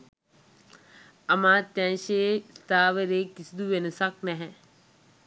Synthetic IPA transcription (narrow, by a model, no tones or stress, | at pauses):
ɐmãːt̪ɛ̃ːʃest̪aːʋɾekɪsd̪uʋensak̚nɛɦɛ̃